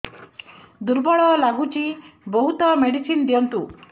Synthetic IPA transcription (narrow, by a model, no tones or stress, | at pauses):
d̪uɾbɔɭɔlaɡut͡ʃibɔɦut̪ɔmeɽisind̪ijɔnt̪u